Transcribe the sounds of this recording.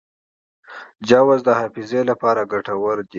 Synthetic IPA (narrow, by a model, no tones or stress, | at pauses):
d͡ʒawazd̪əhɑfizelapɑɾaɡaʈawəɾd̪i